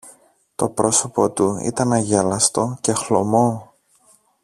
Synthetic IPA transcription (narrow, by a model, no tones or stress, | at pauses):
t̪o̞pɾo̞so̞po̞t̪uḭt̪ɐnɐʝelɐst̪o̞ce̞xlo̞̰mo̞